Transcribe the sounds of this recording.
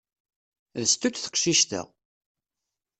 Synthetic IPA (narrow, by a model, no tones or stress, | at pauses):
ðəst̪ut͡sθə̥qʃiʃt̪ə̰